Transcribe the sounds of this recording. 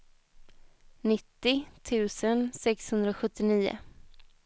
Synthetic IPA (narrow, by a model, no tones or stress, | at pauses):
nɪt̪ːɪt̪ʰʉ̟ːsənsɛkshɵnd̪ɾaɔɧɵt̪ːɪniːʊ̰